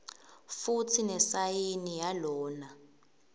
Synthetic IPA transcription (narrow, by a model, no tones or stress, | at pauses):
futʰinɛsajinijalɔːna